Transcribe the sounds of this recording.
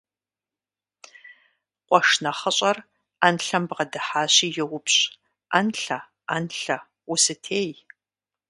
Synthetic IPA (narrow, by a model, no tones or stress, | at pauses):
qʷɔʂnɐχəɕʼɐr | anɬɐmbʁɐdɨħaːɕiːjɛwʊpɕʼ | anɬɐ | anɬɐ | usɨtʰeːj